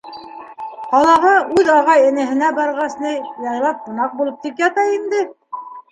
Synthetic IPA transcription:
qɑlˠɑʁɑʔʉðɑʁɑjɘ̆nɘ̆ɦɘ̆næbɑɾʁɑsnɤjɑjlˠɑp̚qŭnɑq̚bulˠɤp̚t̪ipjɑt̪ɑind̪ɘ

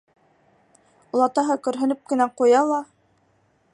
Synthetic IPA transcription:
ulˠɑt̪ɑɦɤkɵ̆ɾɦɵ̆nɵp̚kɘ̆næqujɑlˠɑ

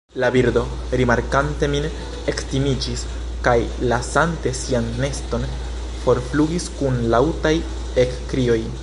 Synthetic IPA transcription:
labiɾdo̞ | ɾimaɾkante̞min | e̞ktimid͡ʒis | kajlasante̞sianːe̞sto̞n | fo̞ɾfluɡiskunlawtaj | e̞kːɾio̞j

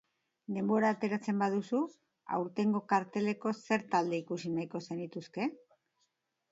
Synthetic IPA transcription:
d̪e̞mbo̞ɾaːt̪e̞ɾat͡se̞mbað̞usu | a̰wɾt̪e̞ŋɡo̞kaɾt̪e̞le̞ko̞se̞ɾt̪ald̪e̞ikusinajko̞se̞nit̪uske̞

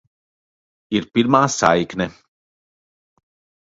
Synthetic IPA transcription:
iɾpiɾmaːsa̰jknɛ

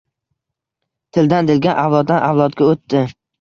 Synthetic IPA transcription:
t̪ʰɪld̪and̪ɪlɡʲanʔawlˠɒd̪̚ːanʔawlˠɒt̪ɡʲaot̪ːɪ

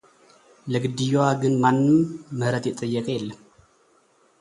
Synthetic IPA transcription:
ləɡɨd̪ːijowaɡɨnmanːɨmːɨhɾət̪jɛt̪ʼːəjːəkʼəjɛlːəm

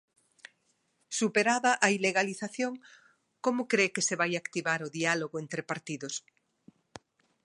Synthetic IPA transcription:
supeɾaðaʔaileɣaliθaθjoŋ | komokɾekeseβajakt̪iβaɾoðialoɣoent̪ɾepaɾt̪iðos

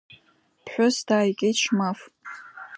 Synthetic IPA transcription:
pʰħʷᶣʊsdaːjkʲʼetʃmaf

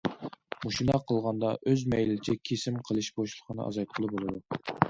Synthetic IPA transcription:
muʃinɑqʰəlˠʁɑnd̪ɑʔøzmɛjlɪɪt͡ʃʰɛkʲʰesɪmqʰəlˠɨʃboʃlˠəqʰənɨʔɑ̰zɑjt̪̚qʰəlˠɨbolˠɨd̪u

